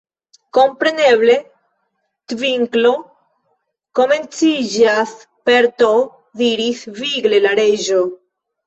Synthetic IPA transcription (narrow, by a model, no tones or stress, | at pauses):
ko̞mpɾe̞neβle | t̪viŋklo | ko̞me̞nt͡sid͡ʒas | peɾt̪o | ðiɾisviɡlelaɾeʒo